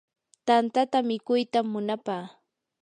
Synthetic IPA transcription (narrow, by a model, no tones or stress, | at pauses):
t̪ant̪at̪amɪkʊjt̪amːʊnapaː